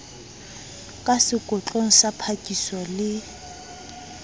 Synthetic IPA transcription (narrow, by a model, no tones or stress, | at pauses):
kʼasɪkʼʊt͡ɬʼoŋ̩sapʰakʼisɔlɪ